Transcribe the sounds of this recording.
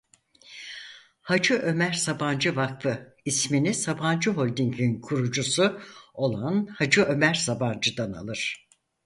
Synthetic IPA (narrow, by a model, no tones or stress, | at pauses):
had͡ʒɯʔø̞mæɾsaband͡ʒɯvak̚fɯ | isminisaband͡ʒɯɦo̞lʲd̪iŋkʰinkʰuɾud͡ʒusuo̞lˠanhad͡ʒɯø̞mæɾsaband͡ʒɯd̪ana̰lˠɯɾ̝̥